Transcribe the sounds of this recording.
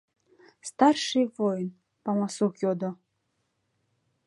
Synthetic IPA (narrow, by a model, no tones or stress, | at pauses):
st̪arʂɨjvɔjn | pamasuxjɔd̪ɔ